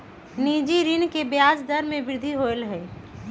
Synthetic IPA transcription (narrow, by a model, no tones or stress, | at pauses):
nid͡ʒiɾɪnkebjaːd͡ʒd̪əɾmẽbɪɾɪd̪ʱiɦolɦɛː